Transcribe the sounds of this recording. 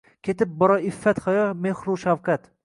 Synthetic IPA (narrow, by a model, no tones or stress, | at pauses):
kʲʰet̪ɪp̚bɒɾɒɪfːat̪χajɒmehɾuʃawqʰat̪